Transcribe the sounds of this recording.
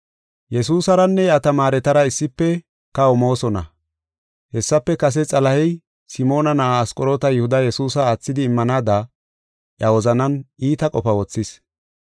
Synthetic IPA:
jɛsuːsɐɾɐnːɛɐt̪ɐmaːɾɛt̪ɐɾɐɪsːɪpːɛ | kɐɔmo̞ːsɔnɐ̰ | hɛsːɐpːɛkɐs̬ɛt͡sʼɐlɐhɛj | sɪmo̞ːnɐnɐʔaːskʼɔɾoːt̪ɐjʊhʊd̪ɐjɛsuːsɐaːt͡sːɪd̪ɪːmːɐnaːd̪ɐ | ʔjɐwɔzɐnɐniːt̪ɐkʼɔfɐwɔt͡sːɪs

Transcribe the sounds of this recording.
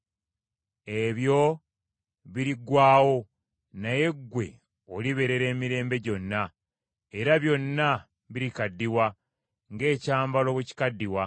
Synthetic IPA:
e̞βjo̞ | βiɾiɡwaːwo̞ | naje̞ɡːwe̞ | oliβe̞ɾe̞ɾe̞ːmiɾe̞ːmbe̞ɟo̞nːa | e̞ɾaβjo̞nːa | βiɾikadːiwa | ŋɡe̞ːcaːmbalo̞βuci̥kadːiwa

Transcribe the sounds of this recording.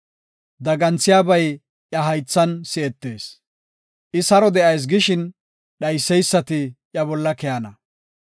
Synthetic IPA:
d̪ɐɡɐnt͡sːɪjaːbɐj | ʔjɐɦɐjt͡sːɐnsɪɛt̪ːe̞ːs | ʔɪsɐɾɔd̪ɛʔɐjs̬ɡɪʃɪn | ɗɐjsːɛjsːɐt̪ɪʔjɐbɔlːɐkɛjɐnɐ

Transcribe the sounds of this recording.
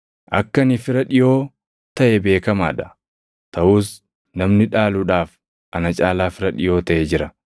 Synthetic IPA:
ʔɐ̰kːɐnɪfɪɾɐᶑɪjo̞ː | t̪ɐʔɛbe̞ːkɐma̰ːᶑɐ̥ | t̪ɐʔuːs | nɐmnɪᶑaːluːᶑaːf | ʔɐnɐt͡ʃʼaːlaːfɪɾɐᶑɪjo̞ːt̪ɐʔeːd͡ʒɪɾɐ

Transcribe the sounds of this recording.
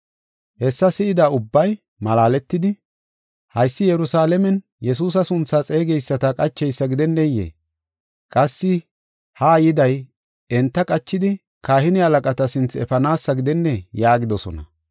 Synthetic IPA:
hɛsːɐsɪɪd̪aʊbːɐj | mɐlaːlɛt̪ːɪd̪ɪ | hɐjsːɪjɛɾʊsaːlɛmɛn | jɛs̬uːs̬ɐsʊnt͡sːɐt͡sʼe̞ːɡɛjsːɐt̪ɐkʼɐt͡ʃːɛjsːɐɡɪd̪ɛnːɛjḛː | kʼɐsːɪ | haːjɪd̪ɐj | ɛnt̪ːɐkʼɐt͡ʃːɪd̪ɪ | kaːhɪnɪɐlɐkʼɐt̪ɐsɪnt͡sɛ̰fɐnaːsːɐɡɪd̪ɛnːɛjaːɡɪd̪ɔsɔ̰nɐ̰

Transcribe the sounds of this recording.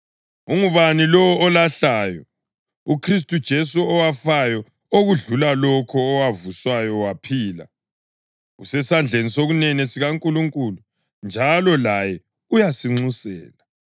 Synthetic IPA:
uŋuβanilɔɔːlaɬajɔ̰ | ukʰris̬tʼud̥ʒ̥ʱesuɔwafajɔ | oɣuɮulalɔkʰɔːwavuswajɔwapʰiːla̰ | ṵsɛsand͡ɮʱenisoɣunɛnɛsiɣaŋkʼuluŋkʼulu | nd͡ʒʱalɔlajɛ | ujasiŋ͡ǀusɛ̰ːla

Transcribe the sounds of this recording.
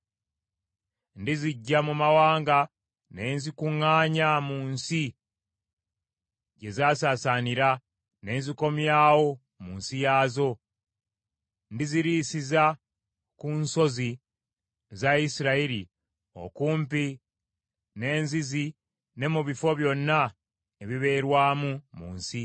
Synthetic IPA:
ndiziɟːamumawaːŋɡa | ne̞ːnzikuŋːaːɲamuːnsi | ɟe̞zaːsaːsaːniɾa | ne̞ːnziko̞mjaːwo̞ | muːnsijaːzo̞ | ndiziɾiːsiza | kunso̞zi | zaisiɾaiɾi | o̰kuːmpi | ne̞ːnzizi | ne̞muβifo̞βjo̞nːa | eβiβe̞ːɾwaːmumṵːnsi

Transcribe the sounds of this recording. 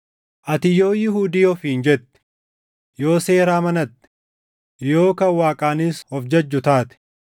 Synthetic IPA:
ʔɐt̪ɪjo̞ːjɪɦuːd̪ɪjɔfiːnd͡ʒɛt̪ːɛ̥ | jo̞ːse̞ːɾaːmɐnɐt̪ːɛ̥ | jo̞ːkɐwaːkʼaːnɪshɔfd͡ʒɐd͡ʒːʊt̪aːt̪ɪ̥

